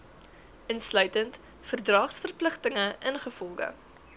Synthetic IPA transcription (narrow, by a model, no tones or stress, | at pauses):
ʔənslœɥtənt | fərdrɑːχsfərpləχtəŋəʔənχəfɔlˠɡə̰